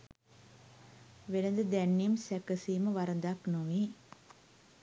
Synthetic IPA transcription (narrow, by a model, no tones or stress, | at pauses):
ʋelɐnd̪ɐd̪ɛnːimsɛkɐsiːməʋaɾɐnd̪aknoʋi